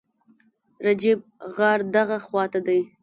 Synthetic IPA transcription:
ɾad͡ʒɪb̚ | ɣaɾd̪aɣaxwɑt̪ad̪aj

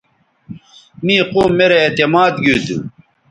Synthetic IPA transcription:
miːquːmːeɾeet̪emaːd̪ɡud̪ṵ

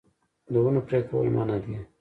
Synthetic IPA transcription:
d̪əunopɾeko̰ḭmʔa̰nad̪e

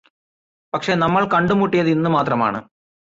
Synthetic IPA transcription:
pɐkʂe̞nɐmːɐɭkɐɳɖumuʈːijɐðinːumaːt̪rɐma̰ːɳɨ̰

